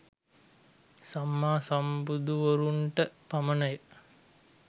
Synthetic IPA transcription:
samːaːsɐmbud̪uʋoɾuɳʈəpamənəjə

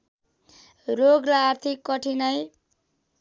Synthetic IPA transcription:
roɡlaːrt̪ʰikːʌʈʰinʌj

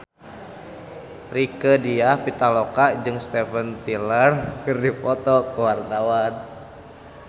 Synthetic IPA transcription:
rikədiahpit̪alokad͡ʒɨŋst̪ɛfənt̪ilərkɨrdipɔt̪ɔkəwart̪awan

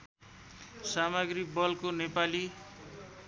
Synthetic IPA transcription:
samʌɡrik̚bʌlkonepali

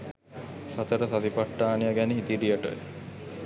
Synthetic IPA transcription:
sat̪əɾəsat̪ipaʈːaːnijaɡæneɦit̪iɖijəʈə̰

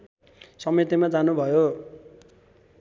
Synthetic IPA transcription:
sʌmet̪imad͡zanubʱʌjo

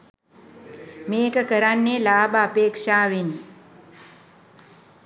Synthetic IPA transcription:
meːkəkəɾanːelaːbəapeːkʂaːʋin

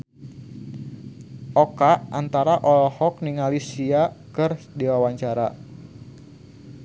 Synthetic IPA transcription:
ʔɔkaʔant̪aɾaʔɔlɔhɔk̚niŋalisiakɨr | dewawaɲt͡ʃaɾa

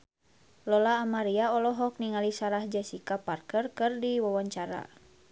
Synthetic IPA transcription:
lɔlaːmaɾiaɔlɔɦɔk̚niŋalisaɾahd͡ʒasikaparkərkɨrdiwawaɲt͡ʃaɾa̰

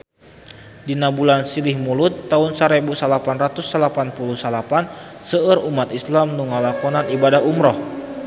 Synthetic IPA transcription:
dinabulansilɪhmulʊt̪ːaʊnsaɾebusalapanrat̪usːalapanpuluhsalapansəərumat̪islamnuŋalakɔnanibadaɦumɾɔh

